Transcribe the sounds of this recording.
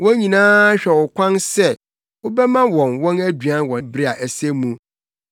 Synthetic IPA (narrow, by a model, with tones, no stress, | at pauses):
wɔ̃˦ɲĩ˨nãː˦a˦ɕᶣɛ˨wʊ˨kʷʰã˦nsɛ˦ | wʊ˦bɛ˦mã˦wɔ̃˨nwɔ̃˦næ˦dɥã˦wɔ̃˨bɾi˦a˨ʔæ˨sɛ˦mũ˦